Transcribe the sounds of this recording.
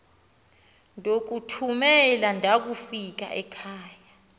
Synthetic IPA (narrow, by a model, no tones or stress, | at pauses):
ndʱok̬utʰumɛlandʱak̬ufik̬a̰ʔɛkʰaːja